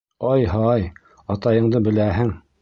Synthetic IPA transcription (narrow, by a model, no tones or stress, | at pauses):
ɑjhɑj | ɑt̪ɑjɤ̆ɴd̪ɤbɘ̆læɦɘŋ